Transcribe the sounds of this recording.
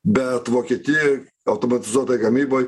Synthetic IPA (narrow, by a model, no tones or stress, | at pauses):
bʲɛt̪ʋoːkʲiɛt̪ʲɪjɛ | ɐʊt̪oːmɐt̪ʲɪzuɔt̪ɐjɪɡɐmʲiːboːj